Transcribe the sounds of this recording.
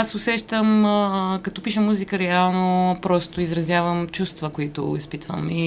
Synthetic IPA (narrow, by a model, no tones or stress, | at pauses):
asʊsɛʃt̪əmkɐt̪ɔpiʃəmuzikəɾɛalˠnopɾɔst̪ʊizɾɐzʲjavəmt͡ʃust̪vəkoit̪ʊ̰ispit̪və̰mi